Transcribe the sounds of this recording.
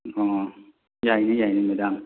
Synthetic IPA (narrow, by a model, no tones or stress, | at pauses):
ɔː | jajnajajnamada